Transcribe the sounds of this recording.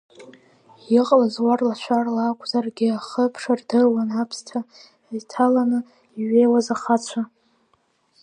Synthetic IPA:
jɪqʼlazwarlaʃʷʰarlaːkʷʼʰzarɡʲɪaχəpʰʂardɨwanapʰstʰa | itʰalanɨ | iɥe̞jwazaχat͡ʃʷʰa

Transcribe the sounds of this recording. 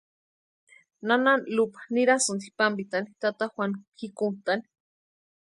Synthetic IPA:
nananlupḁniɾasund̪ipambit̪anit̪at̪axwanxikunt̪ani̥

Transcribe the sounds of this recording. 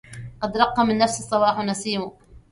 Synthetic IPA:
qɑd̪ɾˤɑqːɑmɪnːafsɨsˤːɑwɑːħnasˤiːu

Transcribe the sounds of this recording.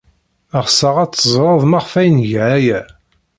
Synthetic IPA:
əʁsɑʁæt͡sːəzˤɾˤɑðˤmɑʁfæjnʝʕæjæ

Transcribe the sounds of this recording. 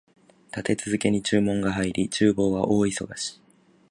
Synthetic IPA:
t̪at̪e̞t͡sɨzɨke̞ɲ̟it͡ɕɨːmõ̞ŋɡaɦaiɾʲit͡ɕɨːbo̞ːɡaʔo̞ːiso̞ɡaɕi̥

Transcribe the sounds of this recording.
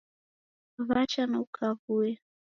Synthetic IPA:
βat͡ʃanaukʰavuɛ

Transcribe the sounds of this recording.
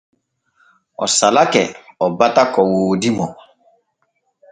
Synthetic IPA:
ɔ̰salakɛɔbatakɔwoːdimɔ

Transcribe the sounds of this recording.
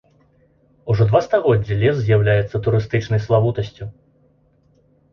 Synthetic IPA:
uʐɔd̪vast̪aɣɔdd͡zʲːilʲɛs̬zʲjawlʲajɛt̪sːɐt̪uɾɨst̪ɨt͡ʂnɐjslˠavut̪ɐsʲt͡sʲu

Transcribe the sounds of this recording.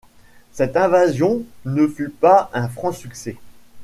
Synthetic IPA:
sɛt̪ɛ̃vazjɔ̃nəfypaɛ̃fχɑ̃syksɛ

